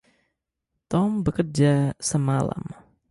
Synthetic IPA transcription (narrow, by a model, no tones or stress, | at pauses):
t̪ɔmbəkərd͡ʒasəmala̰m